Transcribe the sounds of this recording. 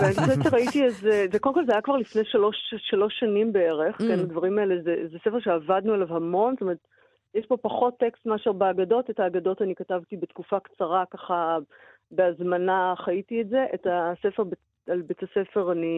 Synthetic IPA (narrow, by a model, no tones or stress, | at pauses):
veaniʃet͡ʃːeʁaitiezezekodemkolzeajakvaʁlifnejʃalo̞ʃːalo̞ʃːanimbeeʁeχkenadvɐʁimaelezezesefe̞ʁʃeavadnuelavhamo̞nstome̞et̪ | jeʃpo̞paχo̞tːekstmaʃaʁbaːɡado̞tetaːɡado̞tanikatavtibetkufakt͡saʁakaχa | beazmanaχaitietze̞ʔetasefeʁbe | albetasefe̞ʁani